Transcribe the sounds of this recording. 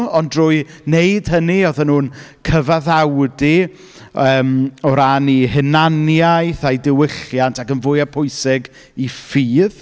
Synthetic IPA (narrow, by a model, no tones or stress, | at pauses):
ɔndrʊːjnejd̥həniɔðanuːnkʰəvaðawdi | əːmɔɾanihɪnanjajθajdɪwɪɬjantʰakənvʊɨapʰʊɨsɪɡ | ifiːð